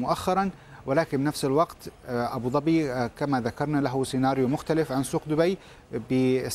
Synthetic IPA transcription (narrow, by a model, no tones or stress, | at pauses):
mʊʔaxːɑɾˤɑn | wɪlaːkɪnbɪnafsɪlwɑqt̪ʔabuːd̪ˤɑbiːkamaðakɑɾˤnalaɦʊsɪnaːɾjʊmʊxt̪alɪfʕansuːqd̪ʊbaj | bɪ